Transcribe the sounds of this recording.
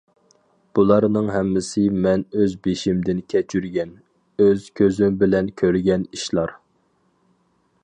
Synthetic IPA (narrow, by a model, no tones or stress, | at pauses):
b̥ulˠɑɾnɨŋɦɛmːɪsɪmɛnøzbeʃimd̪ɪnkʲʰɛt͡ʃʰyɾɡʲɛn | øz̥kʲʰøzymbɪlɛnkʲʰøɾɡʲɛniʃlˠɑɾ